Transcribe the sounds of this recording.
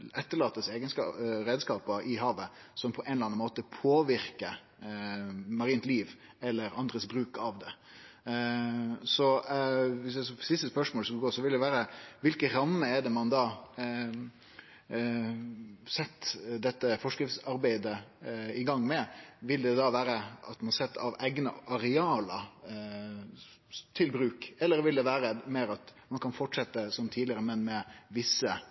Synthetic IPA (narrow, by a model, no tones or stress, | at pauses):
ɛt̪ːəɭɑːt̪ːəseːɡənsɑɾeːd̪skɑːpəʔɪɦɑːʋə | sɔmpʰɔʔɛnlɑnnmoːt̪əpʰoːʋɪɾkə | mɑɾiːnt̪liːʋɛlːəɾɑnd̪ɾəsbɾʉːkɑʋd̪ɛ | sɔ | ʋɪsæsɔpʰɾɪsɪst̪əspœʂmoːləskɑlɡoːsɔʋɪld̪ɛʋæːɾəʋɪlkəɾɑmːəɛɖ̪ɛmɑnd̪ɑː | sɛt̪ːd̪ɛt̪ːəfɔʂkɾɪft̪sɑɾbæɪd̪əɪɡɑŋːmɛʋɪld̪ɛd̪ɑːʋæːɾəʔɑt̪mɑnsɛt̪ːɑ̰ʋæɪɡnəʔɑɾɛɑːlə | t̪ʰɪlbɾʉːkɛlːəɾʋɪld̪ɛʋæːɾəmeːɾɑt̪mɑnkʰɑnfɔʈʂɛt̪ːəsɔmt̪ʰiːd̪lɪəɾəmɛnmɛʋɪsːə